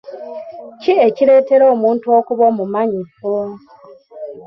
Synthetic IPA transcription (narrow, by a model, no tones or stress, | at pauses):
cieciɾe̞ːte̞ɾo̞ːmuːntuoːkuβo̞mumaɲifo